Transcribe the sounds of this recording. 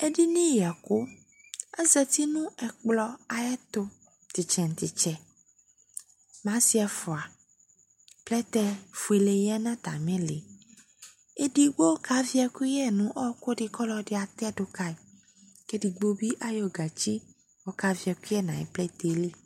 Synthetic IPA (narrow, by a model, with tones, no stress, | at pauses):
e˦ɖi˦nĩ˦ja˨ko˦ | a˦zɛ˨t̪i˦nũ˦ɛ˨k͡plɔ˦a˨jɛ˦t̪o˦ | t̪i˨t͡ʃɛ˨n˨t̪i˨t͡ʃɛ˨ | mã˨˦si˦ɛ˨fɔ˨a˨ | plɛ˦t̪ɛ˦fu˨e˨le˨jɛ˦nã˦t̪a˨mẽ˦le˨ | e˦di˦ɡ͡bo˦ka˦vi˦a˨ku˦ɛ˦nũ˦ʔɔ˦ko˦ɖɪ˨kɔ˦lɔ˦de˦a˨t̪ɛ˦do˦ka˦e˨ | ke˦di˨ɡ͡bo˦bi˦ʔa˦jo˦ɡa˨t͡ʃi˦ | wo˦ka˦vi˨˦a˨ku˦i˦ɛ˦nã˨ɛ̰˨plɛ˦t̪e˨li˦